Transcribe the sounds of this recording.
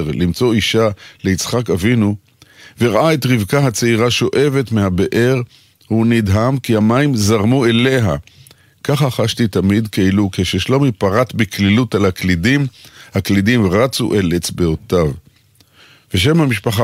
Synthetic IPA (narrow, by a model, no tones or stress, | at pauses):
ʁlimt͡so̞iʃale̞it͡sχakavinu | veʁaʔaetʁivkaɦat͡seiʁaʃo̞ʔe̞ve̞tmehabeʔe̞ʁ | hunidɦamkihamaimzaʁmue̞le̞ɦa̰ | kaχaχaʃtit̪amid̪keilukeʃeʃlo̞mipaʁatbiklilutalaklidimhaklidimʁat͡sṵʔelet͡sbeotav | veʃ̬emhamiʃpaχa